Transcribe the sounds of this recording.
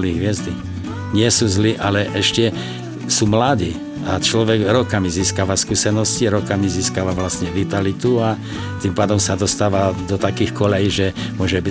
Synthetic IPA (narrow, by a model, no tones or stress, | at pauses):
liːɦʋɪɛzd̪i | ɲɪɛsuzliʔalɛʔɛʃcɛ | sumlad̪iː | at͡ʃlɔʋɛɡɾɔkamiziːskaʋaskuːsɛnɔsciɾɔkamiziːskaʋaʋlasɲɛʋit̪alit̪ua | t̪impaːd̪ɔmsad̪ɔst̪aːʋad̪ɔt̪akiːxkɔlɛjiʒɛmʊɔʒɛbi